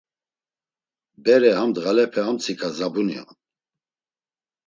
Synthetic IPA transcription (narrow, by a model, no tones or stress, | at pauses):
bɛɾɛhamd̪ʁalɛpʰɛhamt͡sʰikʰazabunja̰n